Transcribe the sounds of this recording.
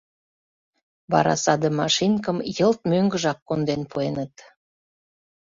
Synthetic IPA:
bɑ̰ɾɑ̰sɑd̪əmɑʃinkəmjəlt̪̚møŋɡə̆ʒɑkːond̪enpʰuenət̪

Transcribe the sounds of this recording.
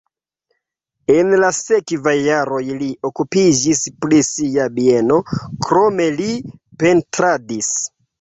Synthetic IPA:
enlasekvajːaɾo̞jliʔokupid͡ʒispɾisiabieno̞kɾo̞me̞lipe̞ntɾadis

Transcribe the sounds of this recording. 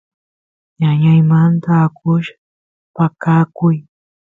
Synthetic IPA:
ɲaɲajmant̪aːkʰʊʃḁ | pakakʊj

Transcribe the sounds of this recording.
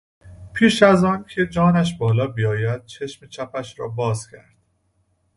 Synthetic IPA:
pʰiːʃæzɒːncʰe̞d͡ʒɒːnæʃ̬bɒːlɒːbijɒːjæd̪̚t͡ʃʰeʃmet͡ʃʰæpʰæʃɾɒ̰ːbɒːz̥cʰæɾd̪̥̚

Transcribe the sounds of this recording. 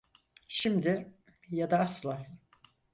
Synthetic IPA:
ʃimd̪ɪ | jad̪aaslˠaː

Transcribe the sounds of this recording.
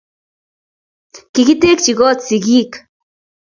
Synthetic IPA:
kiɣit̪ekt͡ʃiɣot͡siɣik

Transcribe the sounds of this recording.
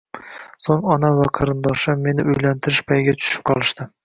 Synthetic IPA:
soŋɒnamvaqʰɑɾɪnd̪ɒʃaːe̞nɪʊjlant̪ʰɪɾɪʃbʰajɡʲat͡ʃ̪ʰʊ̥ʃɪ̥p̚qʰɒlˠɪʃt̪ɪ

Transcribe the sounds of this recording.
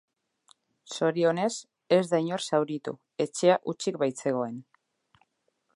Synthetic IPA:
so̞ɾio̞ne̞s | e̞zd̪ajɲo̞ɾsawɾit̪ṵ | e̞t͡ʃe̞aʔut͡ʃik̚bajt͡se̞ɣ̞o̞e̞n

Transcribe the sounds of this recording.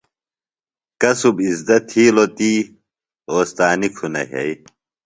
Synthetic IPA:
kɐsubizd̪ɐt̪ʰiːlot̪iː | oːst̪aːnikʰunɐ̰ɦḛj

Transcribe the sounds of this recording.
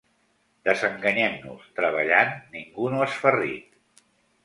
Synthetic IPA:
d̪əzəŋɡəɲɛmnṵst̪ɾəβ̞əʎanːiŋɡunoəsfərḭt̪̚

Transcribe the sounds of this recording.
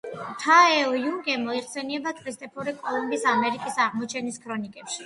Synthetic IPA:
t̪ʰaɛɔjuŋɡɛmɔiχsɛniɛbakʰʼɾist̪ʼɛpʰɔɾikʼɔlˠɔmbisamɛɾikʼisaʁmɔt͡ʃʰɛniskʰɾɔnikʼɛpʃi̥

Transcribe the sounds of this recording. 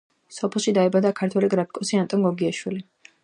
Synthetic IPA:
sɔpʰɛlˠʃid̪aɛbad̪akʰaɾt̪ʰwɛliɡɾapʰi̥kʼɔsiant̪ʼɔnɡɔɡiaʃwili

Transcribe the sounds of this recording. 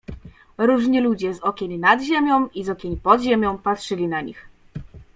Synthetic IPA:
ɾuʐɲilud͡ʑɛzɔkʲeɲnad̪ʑemʲjɔ̃w̃izɔkʲeɲpɔd̪ʑemʲjɔ̃w̃patʂɘlʲinaɲḭx

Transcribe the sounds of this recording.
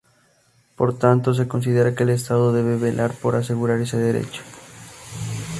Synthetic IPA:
po̞ɾt̪ant̪o̞s̬e̞ko̞ns̬ið̞e̞ɾake̞ːles̬t̪aðo̞ðe̞β̞e̞βe̞lʔaɾpo̞ɾas̬e̞ɣuɾaɾe̞se̞ð̞e̞ɾe̞̰t͡ʃo̥

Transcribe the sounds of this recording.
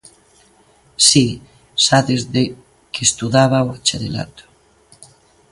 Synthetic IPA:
si | saðezðe | kʰest̪uðaβaoat͡ʃeðela̰t̪o̥

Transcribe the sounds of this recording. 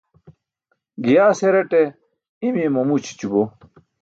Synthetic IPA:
ɡijaːseɾeʈe | imemɐmut͡ɕʰi̥t͡ɕubo

